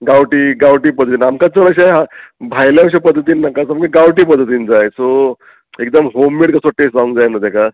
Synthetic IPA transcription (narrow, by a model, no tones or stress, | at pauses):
ɡawʈiːɡawʈiːpəd̪ʱːət̪iːnamkat͡səɽəɕ̬aɦabʱajljaɕ̬apəd̪ʱːət̪̬iːnːakasamkeɡawʈiːpəd̪ʱːət̪̬iːnd͡zajso | ek̚d̪əmɦomːeʈkəsoʈesãŋɡd͡zajnəd̪eka